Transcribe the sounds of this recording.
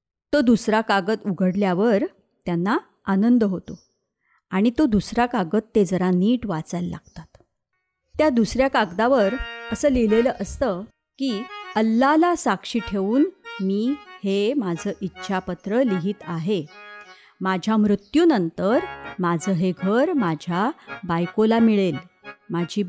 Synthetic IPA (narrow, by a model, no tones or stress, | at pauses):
t̪od̪usɾakaɡət̪uɡʱəɽljaʋəɾ | t̪janːa | anənd̪əɦot̪o | aɽ̃it̪od̪usɾakaɡət̪ːed͡zəɾaniːʈʋat͡səlːa̰ɡ̚t̪at̪ | t̪jad̪usɾjakaɡd̪aʋəɾəsəːleleləʔəst̪ə | kiːəlːalasakʂiːʈʰeʋuːnmiːhemad͡zʱəːʔitːɕʰapət̪ɾəliɦiːt̪aɦe | mad͡ʑʱjamɾut̪juːnənt̪əɾmad͡zʱəːɦeɡʱəɾmad͡ʑʱjabajkolamiɭel | mad͡ʑʱiː